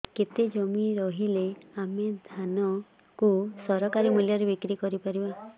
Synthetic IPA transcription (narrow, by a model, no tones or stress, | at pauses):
ket̪ed͡ʒɔmiɾɔɦileamed̪ʱanɔ | kusɔɾɔkaɾimuljaɾebikɾikɔɾipaɾiba